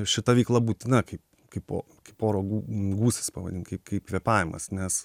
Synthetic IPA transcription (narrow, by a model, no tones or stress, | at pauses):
ʃʲɪt̪ɐʋʲeɪklˠɐbuːt̪ʲɪnɐkɐɪp | kɐɪpo̰ː | kɐɪpoːɾoːɡuɡuːsʲɪ̥spɐːʋɐ̰dʲɪnkɐɪpkɐɪpkʋʲɛpɑːʋʲɪmɐ̰snʲɛs